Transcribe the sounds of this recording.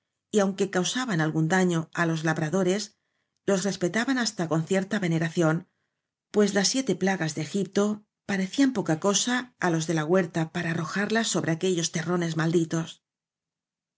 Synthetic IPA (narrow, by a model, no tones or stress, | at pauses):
iawŋke̞kawsaβanalɣund̪aɲo̞alo̞zlaβɾaðo̞ɾe̞s | lo̞sre̞spe̞t̪aβanast̪ako̞nθje̞ɾt̪aβe̞ne̞ɾaθjo̞n | pwe̞zlasːje̞t̪e̞plaɣazðeexip̚t̪o̞ | paɾe̞θiampo̞kako̞saːlo̞zðe̞laɣwe̞ɾt̪apaɾaːro̞xaɾlasːo̞βɾe̞ake̞ʎo̞st̪e̞rone̞zmald̪it̪o̞s